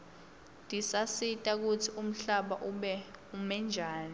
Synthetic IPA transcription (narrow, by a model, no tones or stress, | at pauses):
nd̥ʱisasitʼak̬ut͡sʰium̩ɬaɓaʔuɓɛumɛnd͡ʒʱaːni